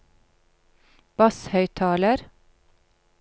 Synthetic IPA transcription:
b̥ɑshœʏt̪ʰɑːləɾ

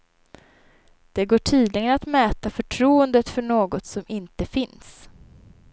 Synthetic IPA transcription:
d̪̥ɛɡoːʈʰiːd̪lɪɡənat̪mɛːt̪afœʈʰɾuːənd̪ət̪fœɳoːɡɔt̪sɔmɪnt̪əfɪns

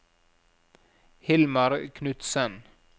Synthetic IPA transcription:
hɪlmɑɾkʰnʉt̪sən

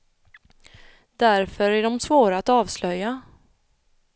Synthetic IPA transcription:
d̪æɾfœɾæɖɔmsvoːɾaat̪ɑːvslœjːa

